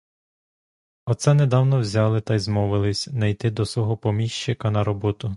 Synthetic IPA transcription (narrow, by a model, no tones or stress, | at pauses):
ɔt̪sɛned̪ɑwnɔwzʲɑlˠɪt̪ɐjzmɔʋɪlˠɪsʲnɐjt̪ɪd̪ɔsʋɔɦɔpɔmʲiʃt͡ʃɪkɐnɐɾɔbɔt̪ʊ